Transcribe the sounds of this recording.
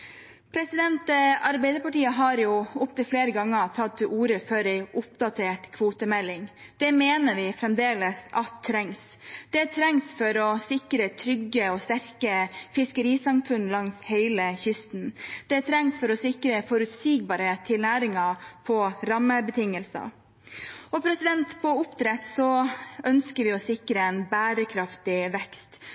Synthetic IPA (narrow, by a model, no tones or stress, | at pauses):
pʰɾɛsɪd̪ɛnt̪əɑɾbɛɪd̪əpɑʈiːəɦɑɾjʊʊp̚t̪ɪlfleːɾəɡɑŋːət̪ʰɑt̪ʰːɪʔuːɾəfœɾɛɪʔʊp̚d̪ɑt̪ʰeːʈkʰʋuːt̪əmɛlːɪŋd̪̥ɛmeːnəʋɪfɾɛmd̪eːləsɑt̪ʰːɾɛŋs | d̪̥ɛt̪ʰɾɛŋsfɔɾɔsɪkɾət̪ʰɾʏɡəɔst̪æɾkəfɪskəɾiːsɑmfʉnlɑŋshɛɪləçʏst̪n̩d̪̥ɛt̪ʰɾɛŋsfɔɾɔsɪkɾəfɔɾʉt̪siːɡ̚bɑːɾət̪ʰːɪlnæːɾɪŋɑpʰɔɾɑmːəbət̪ʰɪŋəlsə̰ | ɔpʰɾɛsɪd̪ɛnt̪pʰɔʊpt̪ʰɾɛt̪sɔœnskəʋɪɔsɪkɾəɛnbæːɾəkʰɾɑft̪ɪʋɛkst̪